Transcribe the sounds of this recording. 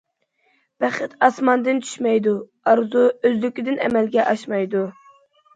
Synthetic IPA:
b̥æχɪt̪ɑsmɑnd̪ɨnt͡ʃʰy̥ʃmɛjd̪u | ɑɾzuøzlykʲid̪ɪnɛ̰mɛlɡʲɛʔɑʃmɑjd̪u

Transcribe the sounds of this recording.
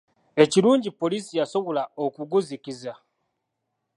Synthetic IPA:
e̞ciɾuːɲɟipo̞lisijaso̞βolaokuɡuzikiza

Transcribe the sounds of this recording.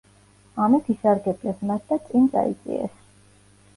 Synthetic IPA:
amɛt̪ʰisaɾɡɛb̪lɛsmat̪̚ʰd̪at̪sʼint̪sʼa̰ḭt̪sʼḭɛ̰s

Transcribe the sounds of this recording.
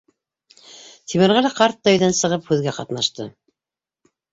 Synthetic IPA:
t̪ʰimɘ̆ɾʁælæqɑɾt̪ːɑjðænsɤ̆ʁɤphʉðɡæqɑt̪nɑʃt̪ɤ

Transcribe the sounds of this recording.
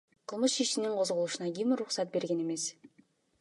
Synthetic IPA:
qʰɯlˠmɯʃiʃiniɴqʰo̞zʁolˠuʃunɑɡʲimiɾuχsɑt̪̚be̞ɾɡe̞ne̞me̞s

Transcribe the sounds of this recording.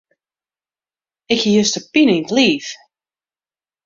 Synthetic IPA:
ɪkəjøstəpinintliːf

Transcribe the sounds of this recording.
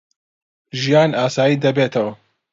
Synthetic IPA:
ʒijaːnaːsaːjiːd̪ɐbeːt̪ʰɐwɐ

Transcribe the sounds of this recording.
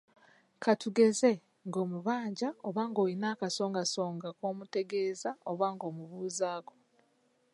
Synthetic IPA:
kʰatuɡe̞ze̞ | ŋɡo̞ːmuβaːɲɟaoβaːŋɡo̞ːjinaːkaso̞ːŋɡaso̞ːŋɡakoːmute̞ɡe̞ːzaoβaːŋɡo̞ːmuβuːzaːɡo

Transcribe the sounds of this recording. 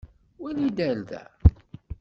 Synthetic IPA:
wænid̪ælðæ̰

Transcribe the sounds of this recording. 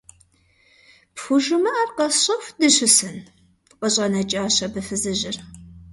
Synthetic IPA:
pxʷʊʒɨmɐaːrqɐɕɐxʷdɨɕɪsɨn | qʼəɕʼɐnɐt͡ʃʼaːɕɐbɨfɨzɨʑɪr

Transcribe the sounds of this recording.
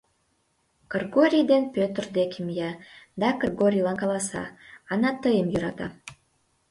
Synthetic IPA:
kərɡoɾʲijd̪enpøt̪ərd̪ekimjɑd̪ɑkərɡoɾʲijlɑnkɑlˠɑsɑ̰ːnɑt̪əjəmjøɾɑt̪ɑ̰

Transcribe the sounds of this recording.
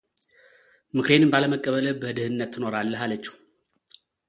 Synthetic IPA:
mɨkʰɾe̞nɨnbaləməkʼːəβələbəhɨd̪ɨhɨnːət̪ːɨno̞ɾalːəɦalət͡ʃːɛ̥h

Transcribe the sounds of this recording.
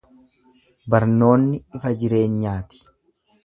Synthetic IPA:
bɐɾno̞ːnːɪɪfɐd͡ʒɪɾe̞ːɲɲaːt̪ɪ̥

